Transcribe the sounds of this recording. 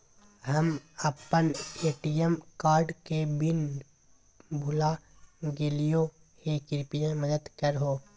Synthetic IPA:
ɦəmɐpːəneːʈiəmkaːɾɖkebɪn | bʱʊla | ɡelijo | kekɪɾpijẽməd̪əd̪kəɾɦoː

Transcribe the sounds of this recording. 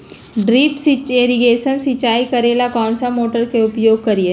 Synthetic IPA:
ɖɾiːpsit͡ʃeːɾiɡeːʃənsɪt͡ʃaːikɐɾeːlakɔːnsamoːʈəɾkeʊpjoːɡ̚kɐɾie

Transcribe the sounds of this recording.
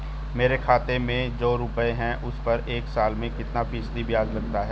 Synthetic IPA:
meːɾekʰaːt̪emẽd͡ʒoːɾʊpəeɦɛ̃ʔʊspɐɾeːksaːlmẽkɪt̪napiːsd̪ibɪjaːzlɐɡt̪aɦɛː

